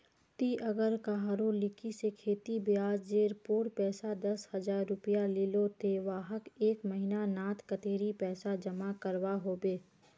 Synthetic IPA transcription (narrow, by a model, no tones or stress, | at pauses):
t̪iʔɐɡəɾkaɦaːɾõlɪkʰisekʰeːt̪ibjaːd͡ʒd͡ʒeːɾpoːɽpɛːsad̪ɐshɐd͡ʒaːɾːʊpijalɪlot̪ʰeʋaːɦəkeːkməɦinanaːt̪kət̪eːɾipɛːsad͡ʒəmakəɾʋaɦoːbeː